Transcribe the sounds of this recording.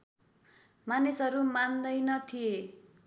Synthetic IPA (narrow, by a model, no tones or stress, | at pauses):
manisʌɾumand̪ʌjnʌt̪ʰije